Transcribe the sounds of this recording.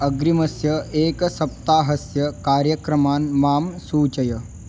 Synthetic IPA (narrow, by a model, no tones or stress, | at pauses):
ɐɡɾimɐsjɐeːksɐp̚t̪aːɦɐsjɐkaːɾjɐkɾɐmaːnmaːmsuːt͡ʃɐjɐ